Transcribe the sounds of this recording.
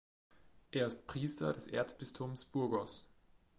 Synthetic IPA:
ʔeːɐɪst̚pʁ̥iːstɐdɛsʔḛːɐt͡sb̥ɪstʰʊmsb̥ʊɐɡɔs

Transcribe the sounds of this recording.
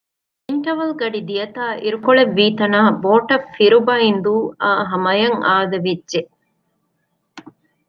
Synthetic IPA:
iɳʈɐʋɐlɡɐɖid̪ijɐt̪aːʔiɾukoɭeʋːiːt̪ɐnaːboːʈɐfːiɾubɐind̪uːaːɦɐmɐjɐŋaːd̪ɐʋidːʒe

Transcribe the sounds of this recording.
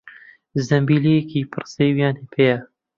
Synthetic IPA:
zɐmbiːlijekʰiːpʰɨrsejwjaːnepʰejɐ

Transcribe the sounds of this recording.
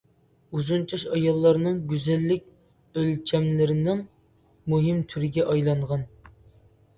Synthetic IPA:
uzunt͡ʃʰɑʃɑjɑlˠːɑɾnɨŋɡʲyzɛlːɪkʲ | ølʲt͡ʃʰɛmlɪɾɪnɪŋ | muɦɪmt̪ʰyɾɪɡʲɛʔɑjlˠɑɴʁɑn

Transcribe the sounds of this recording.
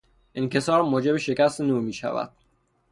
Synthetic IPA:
ʔince̞sɒːɾmoːd͡ʒe̞beʃe̞cæst̪enuːɾmiːʃæ̰væ̰d̪̥

